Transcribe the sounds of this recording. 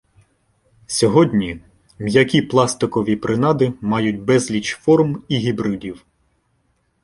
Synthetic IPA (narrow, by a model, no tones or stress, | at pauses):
sʲɔɦɔdʲnʲi | jɐkʲiplˠɑst̪ɪkɔʋʲipɾʔɪnɑd̪ɪmɑjʊt̚ʲbɛzlʲit͡ʃfɔrmiɦʲibɾɪdʲiw